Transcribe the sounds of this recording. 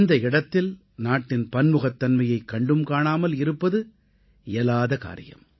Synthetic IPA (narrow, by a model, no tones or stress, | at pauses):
nd̪ɐɪɽɐt̪ːɪl | naːʈːɪnpɐnmɯɣɐt̪ːɐnmɐjɐɪkːɐɳɖɯmkaːɳaːmɐlɪɾɯpːɐðɯ | ɛlaːðɐka̰ːɾɪ̰jɐ̰m